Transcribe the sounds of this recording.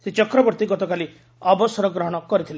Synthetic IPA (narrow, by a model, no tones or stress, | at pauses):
set͡ʃɔkɾɔbɔɾt̪iɡɔt̪ɔkali | ɔbɔsɔɾɔɡɾɔɦɔɽ̃ɔkɔɾit̪ʰile